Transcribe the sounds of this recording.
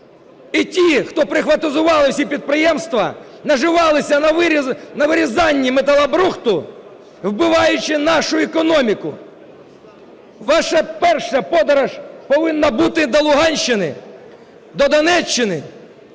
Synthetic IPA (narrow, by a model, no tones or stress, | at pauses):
itʲixt̪ɔpɾɪxʋɐt̪ɪzʊʋɑlˠɔsʲipʲid̪̚pɾɪjɛmst̪ʋɐ | nɐʒɪʋɑlˠɪsʲɐnɐʋɾnɐʋɪɾʲizɑnʲːimet̪ɐlˠɐbɾuxt̪ʊ | wbɪʋɑjʊt͡ʃɪnɑʃʊɛkɔnɔmʲikʊ | ʋɑʃɐpɛrʃɐpɔd̪ɐɾɐʒpɔʋɪnːɐbut̪ɪd̪ɔlˠʊɦɑnʲʃːɪnɪ̰ | d̪ɔd̪ɐnɛt͡ʃːɪnɪ